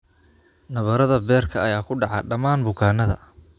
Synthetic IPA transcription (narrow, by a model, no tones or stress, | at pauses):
nɐβɐɾɐðɐbɛːrkʰɐɐjaːkʰʊɖɑʕɑɖɐmaːnbʊkʰaːnɐðɐ̰